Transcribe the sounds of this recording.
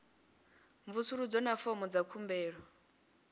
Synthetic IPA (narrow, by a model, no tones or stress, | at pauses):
ɱvusuɺud͡zɔnafɔmɔd͡zakʰumbɛːɺɔ